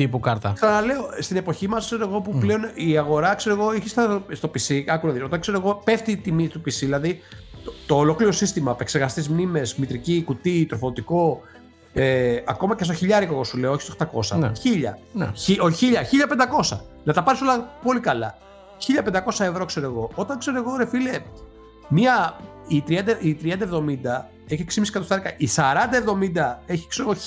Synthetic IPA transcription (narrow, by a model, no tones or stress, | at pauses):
t̪ipukɐɾt̪ɐt̪onɐle̞ost̪ine̞po̞çimɐskse̞ɾoeɣo̞puple̞o̞niɐɣo̞ɾɐkseɾoɣo̞içist̪st̪o̞pisiɐkunɐðiso̞t̪ɐŋkse̞ɾoeɣopeft̪it̪imit̪upisiðilɐðit̪ot̪oːlo̞kliɾo̞sist̪imɐpe̞kseɾɣɐst̪izmnime̞zmit̪ɾicikut̪it̪ɾofoðot̪iko̞ | eɐko̞mɐcst̪oçiʎɐɾikoɣosule̞ooçi̥st̪oxt̪ɐko̞sɐ̰nçiʎɐ̰n̰ioçiʎɐçiʎɐpend̪ɐko̞sɐ̰nɐt̪ɐpɐɾiso̞lɐpo̞likɐlɐ | çiʎɐpe̞nd̪ɐko̞sɐe̞vɾo̞kse̞ɾoeɣo̞ot̪ɐŋkse̞ɾoeɣo̞ɾe̞file̞ | miɐ | it̪ɾiɐnd̪ɐit̪ɾiɐnd̪ɐevðo̞mind̪ɐ | eçeksimisi̥kɐt̪ost̪ɐɾikɐʔisɐɾɐnd̪ɐevðo̞mind̪ɐe̞çi̥kseɾoɣo